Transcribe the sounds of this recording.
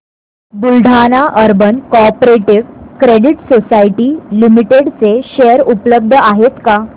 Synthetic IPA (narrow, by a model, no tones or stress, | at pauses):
bulɖʱanaʔəɾbənkopɾeʈiʋkɾeɽiʈsosajʈilimiʈeɽt͡seɕejəɾupləb̚d̪ʱəaɦet̪ka